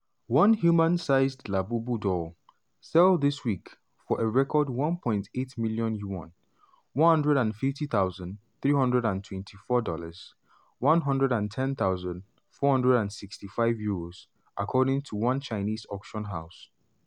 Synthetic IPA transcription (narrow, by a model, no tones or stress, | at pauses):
wʌ̃nhjumãnsaɪzdlabubudɔ | sɛlˠðɪswik | fɔʔeɹɛkʰɔdwʌ̃npʰɔ̃ɪ̃ntʰetmiljɔ̃njuwɔ̰̃n | wʌ̃nhʌ̃ndɹɛɾãnfɪftiθaʊzə̃ndθɹiːɦʌ̃ndɹɛɾãntʰwɛ̃ntʰifɔdɔləz̥ | wʌ̃nɦʌ̃ndɹɛɾãntʰɛ̃nθaʊzə̃nd | fɔhʌ̃ndɹɛɾãndsɪkstifaɪvjuɹoz̥ | ʔakʰɔɾɪ̃ŋtʰuwʌ̃nt͡ʃaɪnizɔkʃɔ̃nɦaʊs